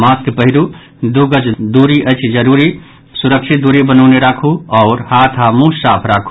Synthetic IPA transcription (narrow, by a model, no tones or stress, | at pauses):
maskpəɦilu | d̪uɡəd͡ʒd̪uɾiʔət͡ʃʰd͡ʒəɾuɾi | suɾəkʃʰit̪̚d̪uɾebənəʊneɾakʰuɔʊɾhat̪ʰamusaːpʰɾaːkʰu